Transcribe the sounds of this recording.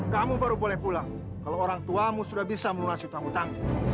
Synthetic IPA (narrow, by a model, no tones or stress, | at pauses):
kamubaɾubolɛhpula | kalooɾaŋt̪uamusudahbisaməlunasut̪aŋut̪aŋ